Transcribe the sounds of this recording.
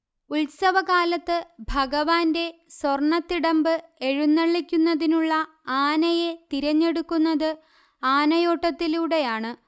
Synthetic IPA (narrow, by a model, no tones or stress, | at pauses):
ulsɐʋɐɣaːlɐt̪ːɨbʱɐɡɐʋaːnde̞sworɳɐt̪ːiɽɐmbɨe̞ɻunːɐɭːikʲːunːɐðinuɭːɐ | aːnɐje̞t̪iɾɐɲːe̞ɽukːunːɐðɨ | aːnɐjo̞ːʈːɐt̪ːiluɽe̞jaːɳɨ